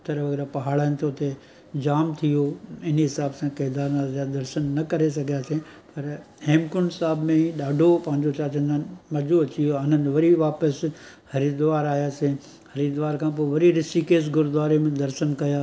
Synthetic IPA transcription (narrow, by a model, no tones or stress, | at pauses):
t̪ɐɾəʋɐɡɛːɾapɐɦaːɭənɪ̆t̪ʰoʊt̪e | d͡ʑaːmt̪ʰijoɪniɦɪsaːbsãkeːɦd̪aːɾnazjaːd̪ɐɾʃənːɐkɐɾes̬ɐɡʱijaːsẽpɐɾ | heːmkʊnsaːbmẽɗaːɖʱopɐ̃ɦɪ̃ɲd͡ʑot͡ɕaːt͡ɕənənɪ̆mɐd͡ʑoɐt͡ɕijoɐnənʋɐɾiʋaːpəs | hɐɾiːd̪ʋaːɾaːjaːse | hɐɾiːd̪ʋaːɾkʰãːp̬oːʋɐɾiɾɪsikeːs̬ɡʊɾd̪ʋaːɾemẽd̪ɐɾʃənkɐjaː